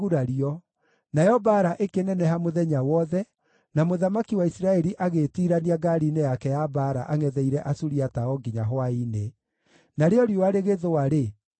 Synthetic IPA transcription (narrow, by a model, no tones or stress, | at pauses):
uɾaɾiɔ | najɔbaːɾaʔekenɛnɛɦamoðɛɲawɔðɛ | namoðamakiwaisiɾaɛɾiʔaɣetiɾaniaɡaɾinejakɛjabaɾaʔaŋɛðɛiɾɛʔasuɾiataɔɡiɲaɦwaine | naɾeɔɾjoaɾeɣeðowaɾe